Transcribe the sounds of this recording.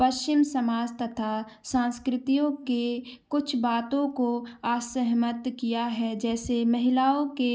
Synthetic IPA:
pɐʃt͡ʃɪmsɐmaːd͡ʒt̪ɐt̪ʰa | sãːnskɾɪt̪ijõkekʊt͡ʃʰbaːt̪õkoaːsəɦmət̪kijaɦɛd͡ʒɛːsemɐɦɪlaːõke

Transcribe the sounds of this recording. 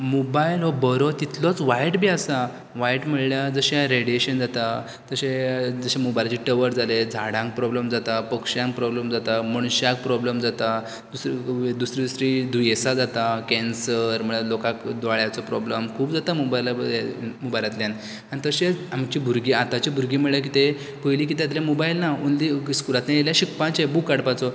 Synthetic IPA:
mobajlɦɔbəɾɔt̪it̪lɔt͡sʋajʈbiːasa | ʋajʈm̤əɭljad͡zəɕeɾeɽijeɕənd͡zat̪a | t̪əɕed͡zəɕemobajlat͡ɕiʈəʋəɾd͡zaled͡zʱaɽãŋk̚pɾɔbləmd͡zat̪apəkɕjãŋk̚pɾɔbləmd͡zat̪aməɳ̃ɕak̚pɾɔbləmd͡zat̪a | d̪usɾid̪usɾiːd̪usɾid̪ʱujesad͡zat̪akɛ̃nsəɾm̤əɭalokãkd̪ʋaɭjat͡sɔpɾɔbləmkʰuːpd͡zat̪amobajlaemobajlat̪ljãn | anit̪əɕeamt͡ɕiːbʱuɾɡiːat̪at͡ɕibʱuɾɡiːm̤əɭakit̪e | pəjliːk̬iːt̪̬jat̪̬ljamɔbailnaunliskuɾat̪najeljaɕikpãt͡ɕabukːaɽpat͡sɔ

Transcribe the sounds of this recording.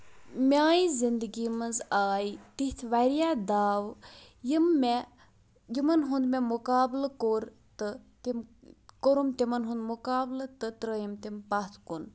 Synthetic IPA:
mʲaːjizind̪əɡiːmɐnzaːjt̪iht̪ʰʋaɾijaːd̪aːʋ | jimːe | jimɐnɦund̪memukaːblkoɾ | t̪ɨt̪imkoɾumt̪imɐnɦũnd̪mukaːblət̪ɨt̪ɾəjimt̪impat̪ʰkun

